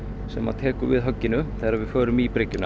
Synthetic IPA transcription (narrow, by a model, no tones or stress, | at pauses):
sɛmːa̰t̪ʰɛːkʏɾvɪðɦœcːɪnʏθɛjɾavɪ̥fœːɾʏmipɾɪcːʏna